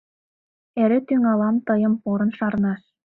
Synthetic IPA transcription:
eɾĕt̪yŋɑlɑmt̪ɤ̆jɤ̆mpoɾɤ̆nʃɑɾnɑʃ

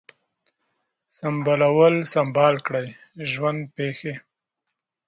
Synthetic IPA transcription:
sambɑlawəlsambɑlkɽaj | ʒwand̪̚pexe

